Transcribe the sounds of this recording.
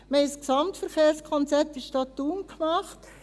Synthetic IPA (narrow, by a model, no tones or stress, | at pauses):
məɪjsksɑmtfəɾχeːɾskʰɔnt͡sɛtɪʃtɑtːuːnkmɑχt